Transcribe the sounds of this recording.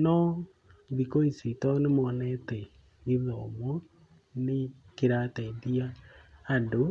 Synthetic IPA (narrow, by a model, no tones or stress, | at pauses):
nɔ | ðikoisitɔnemɔːnɛtɛ | ɣiðɔmwɔ | ne | keɾatɛndiaː | ndo